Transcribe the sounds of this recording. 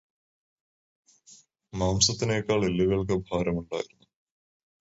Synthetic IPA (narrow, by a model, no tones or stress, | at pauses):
maːmsɐt̪ːinejkːaːɭelːiʋɐɭk̬ɐbʱaːɾɐmuɳɖa̰ːjiɾunːu